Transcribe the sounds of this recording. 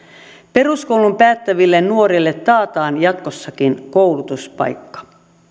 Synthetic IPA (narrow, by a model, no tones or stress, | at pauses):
pe̞ruskoulumpæːt̪ːæʋilːennuo̞ɾilːet̪ːɑːt̪ɑːnjɑt̪kosːɑkinkowlut̪uspɑ̰jkːɑ̥